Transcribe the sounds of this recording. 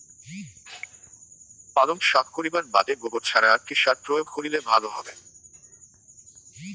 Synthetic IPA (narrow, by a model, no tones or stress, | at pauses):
palomʃak̪̚koɾibaɾbad̪eɡoboɾt͡ɕʰaɾaaʈʰiʃaɾpɾojobkoɾilebʱaloɦɔbe